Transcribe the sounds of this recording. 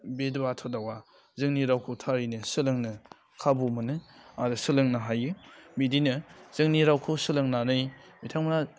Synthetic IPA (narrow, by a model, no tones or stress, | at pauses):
bedbatʰodawa | zɯŋniɾawkʰɯwtʰaɾinɯsɯlɯŋnɯ | kʰabumɯnɯadɯsɯlɯŋnaɦajɯmidinɯz̥ɯŋniɾawkʰɯwsɯlɯŋnanɯjmitʰaŋmna